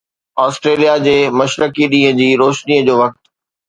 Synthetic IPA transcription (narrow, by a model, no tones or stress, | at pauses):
aːsʈɾeːlijad͡ʑeːmɐʃɾəkiɗĩːɦə̃d͡ʑiːɾoːʃniːəd͡ʑoːʋɐk̚t̪